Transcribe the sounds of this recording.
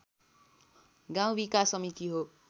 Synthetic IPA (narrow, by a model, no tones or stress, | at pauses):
ɡãw̃bikasʌmit̪iɦo